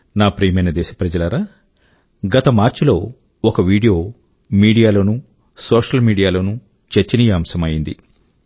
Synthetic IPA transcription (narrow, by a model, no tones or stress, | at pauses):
naːpɾiːmɐjnɐd̪ɛːʃɐpɾɐd͡ʒɐlɐɾa | ɡɐt̪ɐmaːɾt͡ʃulo̞ː | ɔkɐʋiːɽijo̞ː | miːɽijaːloːnu | soːʂɐlmiːɽijaːloːnu | t͡ʃɐɾt͡ʃinijaːmsɐmɐjind̪ḭ